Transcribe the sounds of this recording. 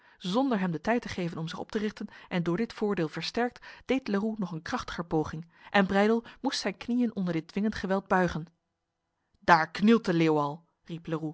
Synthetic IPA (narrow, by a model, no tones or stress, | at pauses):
zɔndəɹɦɛmdətɛjtəχejvənɔmzɪχɔ̰p̚tərɪχtənʔɛndʊːɹdɪtfʊːɹdeːlˠvəɹstɛɹk̚td̥ejtlərunɔχənkrɑχtə̥χəɹpowχɪŋ | ʔɛnbrɛjdəlˠmustsɛjnknijənʔɔndəɹdɪt̚dʋɪŋəntχəʋɛlˠd̚bœɥχən | d̥aːɹknɪlˠtəleowɑlˠ | ripləru